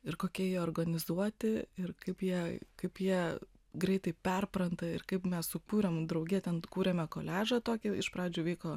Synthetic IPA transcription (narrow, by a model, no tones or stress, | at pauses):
ɪrkoːkʲiɛjiɛoːrɡɐnʲɪzuɔt̪ʲɪɪrkɐɪpjiɛkɐɪpjiɛ | ɡɾʲɛɪt̪ɐɪpʲɛrpɾɐnt̪ɐɪrkɐɪpmʲɛssʊkuːɾʲɛmd̪ɾɐʊɡʲiːt̪ʲɛnkuːɾʲɛmʲɛkoːlʲæːʒɐt̪oːkʲɪɪʃpɾɑːd͡ʒʲuːʋʲɛɪkoː